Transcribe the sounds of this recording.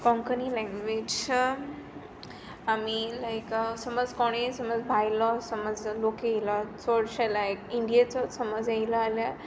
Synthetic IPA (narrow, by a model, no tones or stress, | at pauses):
kɔ̃ŋkənilɛ̃ŋɡʋed͡ʒ | amilajkəsəməd͡zkɔɽ̃esəməd͡zbʱajlɔsəməd͡zlokeilɔt͡sɔɽɕalajkĩɳɖijat͡sɔsəməd͡zailəalja